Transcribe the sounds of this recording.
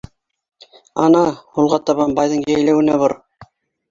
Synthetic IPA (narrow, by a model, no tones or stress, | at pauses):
ɑnɑhulˠʁɑt̪ɑβɑmbɑjðɤɴjæjlæwɘ̆næβoɾ